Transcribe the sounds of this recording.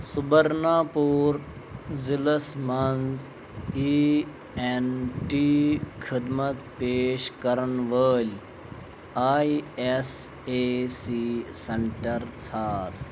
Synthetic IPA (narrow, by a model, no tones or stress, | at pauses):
subəɾnaːpuːɾ | zilɐsmɐnz | iː | enʈiːkʰid̪mɐt̪peːʃkɐɾənʋəːlʲ | aːies | eːsisɐɳʈɐɾt͡sʰaːɾ